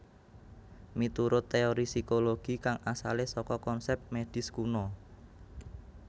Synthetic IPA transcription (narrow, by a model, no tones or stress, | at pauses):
mit̪uɾʊt̪ːeoɾisikoloɡ̥i̤kaŋasa̰lesɔkɔkɔnsɛp̚t̪̚med̪̥ɪ̤skunɔ